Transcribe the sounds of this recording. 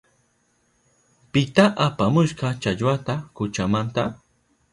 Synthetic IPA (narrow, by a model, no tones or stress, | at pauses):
pɪt̪aʔapamʊʃqɑt͡ʃaʎwat̪akʊt͡ʃamant̪a